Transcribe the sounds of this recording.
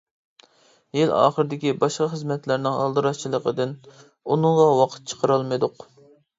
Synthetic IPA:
jilɑ̰ːχəɾɪd̪ɪkʲibɑʃqɑχəzmɛt̪læɾnɪŋɑ̰lˠd̪ɨɾɑst͡ʃʰilˠəqʰəd̪ɪn | unɨŋʁɑwɑqʰə̥t̪̚t͡ʃʰə̥qʰəɾɑlˠmɨd̪ʊq

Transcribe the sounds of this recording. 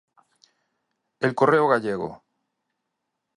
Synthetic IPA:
elko̞reoɣaʎeɣo̰

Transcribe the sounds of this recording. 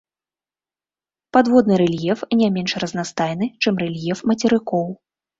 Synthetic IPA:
pad̪vɔd̪nɨɾɛlʲjɛfnʲamʲɛnʂrɐznast̪ajn̪ɨt͡ʂɛmrɛlʲjɛfmɐt͡sʲɛɾɨkɔw

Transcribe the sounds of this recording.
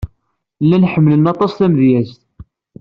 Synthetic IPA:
lːænħəmːlənɑt̪ˤɑsθæmðjæzt̪

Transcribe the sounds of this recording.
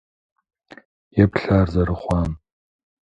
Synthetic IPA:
jɛpɬaːrzɐɾɨχʷɑːm

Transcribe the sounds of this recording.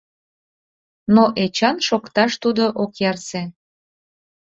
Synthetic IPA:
noʔet͡ɕɑnʃokt̪ɑʃt̪ud̪oʔokjɑrse

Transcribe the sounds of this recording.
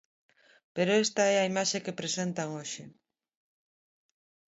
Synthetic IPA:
peɾoest̪aɛɐimaʃekepɾesent̪aŋoʃɪ

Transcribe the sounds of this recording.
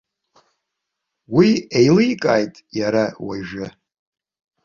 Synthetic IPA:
wiejlijkʼa̰ːjtʼjaɾawaʒᶣʊ

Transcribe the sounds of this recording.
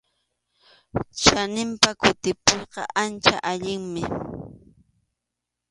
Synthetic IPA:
t͡ʃanɪmpakʊt̪ɪpojqɑʔant͡ʃa̰ʔaʎɪŋmɪ

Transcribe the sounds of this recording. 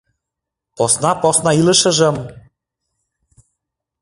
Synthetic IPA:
posnɑposnɑilɤ̆ʃɤ̆ʒɤ̆m

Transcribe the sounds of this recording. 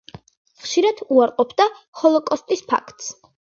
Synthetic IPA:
χʃiɾad̪̥uaɾqʼɔpʰd̪aχɔlˠɔkʼɔst̪ʼispʰa̰kʰt̪ʼs

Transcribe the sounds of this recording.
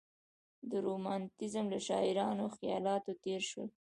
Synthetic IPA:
d̪əɾomɑnt̪ɪzəmlaʃɑɪɾɑnoxijɑlɑt̪ot̪eɾʃwə̰l

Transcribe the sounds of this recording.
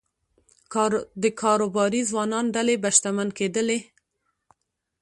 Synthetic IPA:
d̪əkʰɑɾobɑɾizwɑnɑnɖalebaʃt̪amanked̪əle

